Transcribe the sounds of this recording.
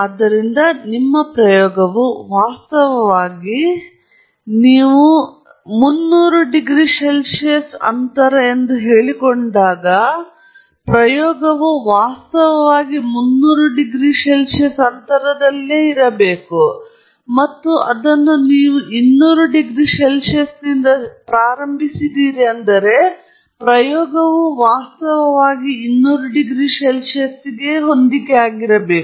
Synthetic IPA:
ad̪ːɐɾind̪ɐnimːɐpɾɐjɔːɡɐʋuʋaːst̪ɐʋɐʋaːɡi | niːʋu | munːuːɾuɖiɡɾiʂelʂesɐ̰nt̪ɐɾɐend̪uɦe̞ːɭikoɳɖaːɡɐ | pɾɐjɔːɡɐʋuʋaːst̪ɐʋɐʋaːɡimunːuːɾuɖiɡɾiʃɛlʃesɐnt̪ɐɾɐd̪ɐlːeːiɾɐbe̞ːku | mɐt̪ːuʔɐd̪ɐnːuniːʋuʔinːuːɾuɖiɡɾiʃɛlʃɐsd̪ind̪ɐpɾaːɾɐmbʱisid̪iːɾiɐnd̪ɐɾe̞ | pɾɐjɔːɡɐʋuʋaːst̪ɐʋɐʋaːɡiːnːuːɾuɖiɡɾiʃɛlʃɐsiɡeɦo̞nd̪ikeaːɡiɾɐbe̞ːku

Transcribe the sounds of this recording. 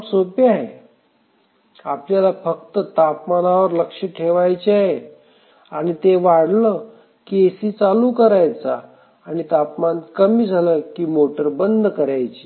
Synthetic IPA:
psopiaɦḛ | apljalafək̚t̪ət̪apmanaʋəɾləkʂəʈʰeʋajt͡ɕiaɦe | aɽ̃it̪eʋaɽlə | kesiːt͡saluːkəɾajt͡saː | ñit̪apmankəmiːd͡zʱaləkiːmoʈəɾbənd̪ʱkəɾajt͡ɕi

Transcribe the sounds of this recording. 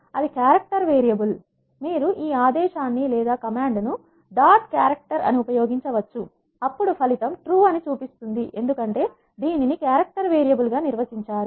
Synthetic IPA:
ɐd̪ikjaːɾɐk̚ʈɐɾʋeːɾijɐbul | miːɾuʔiːaːd̪ɛːʃaːnːilɛːd̪aːkɐmaːɳɖnu | ɖaːʈ̚kjaːɾɐk̚ʈɐɾɐ̰niupɐjoːɡiɲt͡ʃɐʋɐt͡ʃːu | ɐpːuɽupʰɐlit̪ɐmʈɾuːɐnit͡ʃuːpist̪und̪iʔe̞̰nd̪ukɐɳʈe̞ː | d̪iːninikjaːɾɐk̚ʈɐɾʋeːɾijɐbulɡaːniɾʋɐsiɲt͡ʃaːɾu

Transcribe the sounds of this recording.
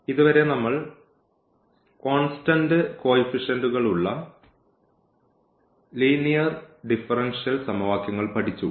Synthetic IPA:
iðuʋɐɾe̞nɐmːɐɭ | ko̞ːnstɐndɨko̞ːifiʂɐnduɣɐɭuɭːɐ | liːnijɐrɖifɐrenʂijɐlsɐmɐʋaːkjɐŋːɐɭpɐʈʰit͡ɕːu

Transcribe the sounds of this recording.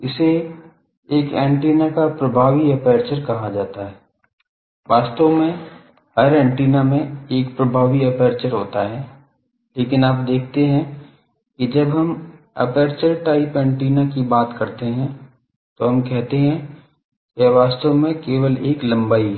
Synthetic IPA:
ɪse | eːkɛ̃ːɳʈiːnakapɾɐbʱaːʋiɐpɛːɾt͡ʃəɾkɐɦad͡ʒaːt̪aɦɛː | ʋaːst̪omẽ | ɦɐɾɛ̃ːɳʈiːnamẽeːkpɾɐbʱaːʋiɐpɛːɾt͡ʃəɾɦoːt̪aɦɛː | leːkɪnaːpd̪eːkʰt̪eɦɛ̃ | kid͡ʒɐbɦɐm | ɐ̰peːɾt͡ʃəɾʈaːɪpɛ̃ːɳʈiːnakibaːt̪kɐɾt̪eɦɛ̃ | t̪oɦɐmkɛɦt̪eɦɛ̃ | keʋaːst̪omẽkeːʋəleːklɐ̃mbaːi

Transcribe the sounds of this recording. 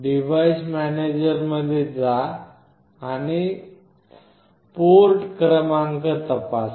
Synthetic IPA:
ɖiʋajsmæned͡ʑəɾməd̪ʱjed͡zaː | ni | poɾʈkɾəmaŋkət̪əpas

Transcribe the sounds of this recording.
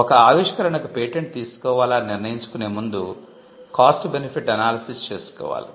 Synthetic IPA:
ɔkɐaːʋiʂkɐɾɐɳɐkupeːʈeɳʈ̚t̪iːsu̥kɔːʋaːlaːniɾnɐjiɲt͡ʃu̥kune̞ːmund̪u | kaːsʈbenipʰiʈɐnaːlɐsist͡ʃe̞ːsu̥kɔ̰ːʋa̰ːlḭ

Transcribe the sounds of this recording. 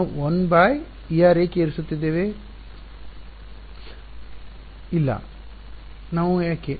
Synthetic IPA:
uonbaːj | ijaːɾeːkeːɾisut̪ːid̪ːeːʋe | ilːɐ̰ | naːʋujaːkːe

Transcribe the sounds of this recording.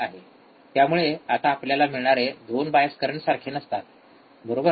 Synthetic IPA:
aɦe | t̪jamuɭeat̪aːpljalamiɭɳaɾed̪onbajəskəɾəɳsaɾkʰenəst̪at̪̚ | bəɾobə

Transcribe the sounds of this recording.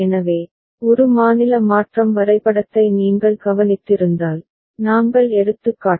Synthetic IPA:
ɛnɐʋeː | ɔɾɯmaːnɪlɐmaːʈrɐmʋɐɾɐɪpːɐɽɐt̪ːɐɪniːŋɡɐɭkɐʋɐnɪt̪ːɪɾɯnd̪aːl | naːŋɡɐɭɛɽɯt̪ːɯkːaː

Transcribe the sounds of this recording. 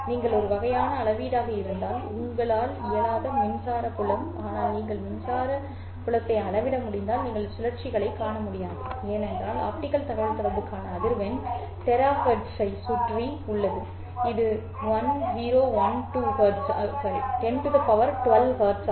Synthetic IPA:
niːŋɡɐɭɔɾɯʋɐɣɐjaːnɐːɭɐʋiːɽaːɣɐɪɾɯnd̪aːlʊŋɡɐɭaːlɪjɐlaːðɐmɪnsaːɾɐpʊɭɐmaːnaːlniːŋɡɐɭmɪnsaːɾɐ | pʊɭɐt̪ːɐɪɐɭɐʋɪɽɐmʊɽɪnd̪aːlniːŋɡɐɭsɪlɐɾt͡ʃɪɣɐɭɐɪkːaːɳɐmʊɽɪjaːðɐeːnɛndraːla̰ːp̚ʈɪkːɐlt̪ɐɣɐɻɐt̪ɪɾɐʋɯkːaːnɐːðɪɾʋɐn | t̪ɛɾaːɣɐɖsɐɪsʊʈriʊɭːɐðɯ | ɪðɯ | ʋɐnziːɾoːʋɐnʈuɣɐːɖsɐɐʈɛɳɖðɐpɐʋɐɾʈʊʋɐlʋhɐːɖs

